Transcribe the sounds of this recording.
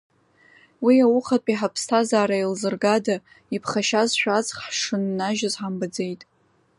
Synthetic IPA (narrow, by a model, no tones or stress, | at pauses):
wiawʊχapʼiħapʰstʰazaːɾailzɨrɡada | ipʰχaʃazʃᶣʷat͡sχħʂɨnːaʒazħambad͡ze̞jtʼ